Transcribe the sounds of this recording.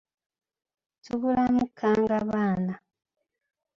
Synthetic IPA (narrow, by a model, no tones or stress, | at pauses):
tuβulamukʰːaŋɡaβaːna